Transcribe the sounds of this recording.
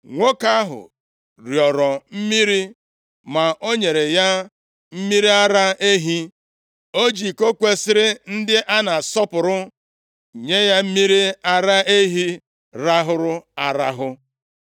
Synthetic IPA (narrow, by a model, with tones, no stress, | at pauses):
ŋʷo˦ka˦ɦʊ̰˨ | ɾjɔ˨ɾɔ˨m̩˦mi˦ɾi˦ | ma˨ʔo˦ɲe˨ɾe˨ja˦ | m̩˦mi˦ɾi˦a˦ɾa˦e˦ɦi˦ | o˦d͡ʒi˨ko˦kʷe˦sɪ˦ɾɪ˦n̩˦dɪ˦ʔa˦na˨sɔ˦pʊ˨ɾʊ˦˨ | ɲe˦ja˦m̩˦mi˦ɾi˦a˦ɾa˦e˦ɦi˦ | ɾa˦ɦʊ˦ɾʊ˦a˦ɾa˦ɦʊ˦